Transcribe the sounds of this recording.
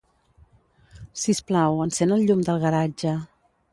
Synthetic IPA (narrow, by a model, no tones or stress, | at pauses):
sisplawənsenəlˠʎumd̪əlˠɣəɾad͡ʒə